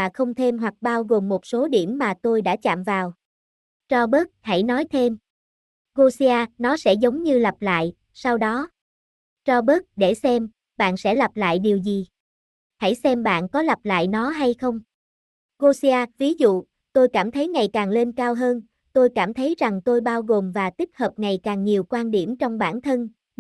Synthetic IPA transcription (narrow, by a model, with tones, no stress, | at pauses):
aː˨˩xə˧wŋ͡mt̪ʰe˧mɦwa˨˩k̚ɓaː˧wɣo˨˩mːo˨˩t̚so˨˦ɗi˧˩əmːaː˨˩t̪o˧jɗa̰ː˧˥t͡ɕa̰ː˧˨mvaː˨˩w | t͡ɕɔ˧ɓə˦˥t̚ha̰˧˩jnɔ˨˦jt̪ʰe˧m | ɣo˧si˧aː˧nɔ˨˦sɛ̰˧˥zə˨˦wŋ͡mɲɨ˧la˨˩p̚la̰ː˧˨j | sa˧wɗɔ˨˦ | t͡ɕɔ˧ɓə˦˥t̚ɗe˧˩sɛ˧m | ɓa̰ː˧˨nsɛ̰˧˥la˨˩p̚la̰ː˧˨jɗi˨˩əwzi˨˩ | ha˧˩jsɛ˧mɓa̰ː˧˨nkɔ˨˦la˨˩p̚la̰ː˧˨jnɔ˨˦ɦa˧jxə˧wŋ͡m | ɣo˧si˧aː˧vi˨˦zṵ˧˨ | t̪o˧jkaː˧˩mt̪ʰə˨˦jŋa˨˩jkaː˨˩ŋle˧nkaː˧wɦəː˧n | t̪o˧jkaː˧˩mt̪ʰə˨˦jza˨˩ŋt̪o˧jɓaː˧wɣo˨˩mvaː˨˩t̪i˦˥k̚həː˨˩p̚ŋa˨˩jkaː˨˩ŋɲi˨˩əwkwaː˧nɗi˧˩əmt͡ɕɔ˧wŋ͡mɓaː˧˩nt̪ʰə˧n